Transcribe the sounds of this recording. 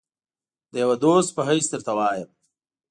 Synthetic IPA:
d̪əjawad̪oːst̪̚pəɦəjsd̪əɾt̪awɑːjəm

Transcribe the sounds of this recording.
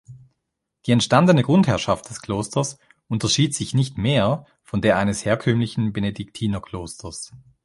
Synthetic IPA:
d̥iːɛntʃtandənəɡ̥ʁʊnthɛɐʃaft̚d̥ɛskʰl̥oːstɐs | ʔʊntɐʃiːtz̥ɪçnɪçtmeːɐ | fɔndeːɐʔaɪnəsheːɐkʰœmlɪçn̩benedɪk̚tʰiːnɐkʰl̥oːstʰɐs

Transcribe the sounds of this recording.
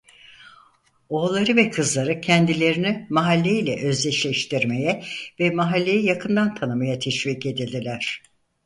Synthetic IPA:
o̞ːlˠaɾɯvɛkʰɯzlˠaɾɯcʰɛnd̪ilʲe̞ɾinimaɦalʲːeilʲɛʔø̞zlʲɛʃlʲɛʃt̪ʰiɾme̞jɛvɛmaɦalʲːe̞jijakʰɯnd̪ant̪ʰanɯmajat̪ʰɛʃviːce̞d̪ilʲd̪ilʲæɾ̝̥

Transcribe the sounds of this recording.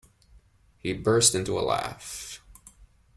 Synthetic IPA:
hibɜ˞stɪ̃ntuə̰læ̰f

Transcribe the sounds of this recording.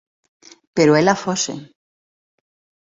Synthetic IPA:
pe̞ɾoelafosḛ

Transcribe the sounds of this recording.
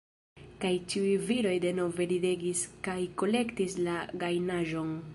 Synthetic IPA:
kajt͡ʃiujviɾo̞jde̞no̞ve̞lide̞ɡiskajko̞le̞ktislaɡajnaʒo̞n

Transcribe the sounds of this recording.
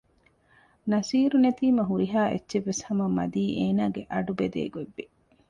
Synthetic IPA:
nɐsiːɾunet̪iːmɐɦuɾiɦaːʔḛtːʃeʋːeshɐmɐmːɐ̰d̪iːʔeːnaːɡeʔɐɖubed̪ḛːɡoebːi

